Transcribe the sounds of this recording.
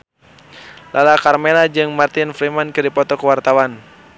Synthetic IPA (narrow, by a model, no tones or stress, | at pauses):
lʔalakarmelad͡ʒɨŋmart̪ɪnfɾimankɨdipɔt̪ɔkəwart̪awan